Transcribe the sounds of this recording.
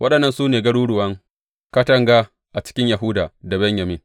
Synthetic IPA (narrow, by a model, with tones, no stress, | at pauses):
wʔɐ˦ɗɐ˨nːɐ˦nsuː˦neː˨ɡɐ˦ɽuː˦ɽʊ˨wɐ˦ŋ | ka˦tɐ˦ŋɡa˦ | ʔa˨t͡ʃɪ̥˦kʲɪ˦ɲja˨ɦʊ˦daː˨da˨bɛ˦ɲjɐ˨mɪ˦ŋ